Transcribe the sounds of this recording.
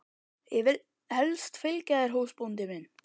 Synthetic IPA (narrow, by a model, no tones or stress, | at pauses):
jɛvɪl | hɛlst̪fɪlcaðɛɾ̥ɦoːwspunt̪ɪmɪn